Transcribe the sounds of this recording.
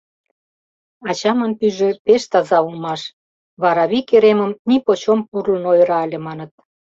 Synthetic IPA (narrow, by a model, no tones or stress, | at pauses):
ɑt͡ɕɑmə̆npyʒĕpeʃt̪ɑzɑulmɑʃ | βɑɾɑβikeɾeməmnipot͡ɕompurlənojɾɑəlʲemɑnə̆t̪̚